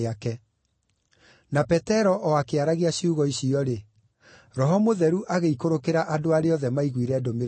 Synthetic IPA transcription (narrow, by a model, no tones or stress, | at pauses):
akɛ | napɛtɛɾɔʔɔakeaɾaɣiaɕiuɣɔiɕiɔɾe | ɾɔɦɔmoðɛɾuʔaɣeikoɾokeɾaʔadoaɾeɔðɛmaiɣwiɾɛːdomeɾ